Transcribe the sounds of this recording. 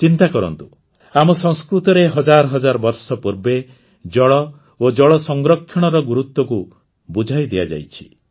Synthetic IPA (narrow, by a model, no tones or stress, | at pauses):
t͡ʃint̪akɔɾɔ̰nt̪u | amɔsɔŋskɾut̪ɔɾeɦɔd͡ʒaɾɔɦɔd͡ʒaɾɔbɔɾsɔpuɾbe | d͡ʒɔɭɔ | od͡ʒɔɭɔsɔŋɡɾɔkʰːjɔɽ̃ɔɾɔɡuɾut̪wɔku | bud͡ʒʱajd̪iad͡ʒa̰jt͡ʃʰi̥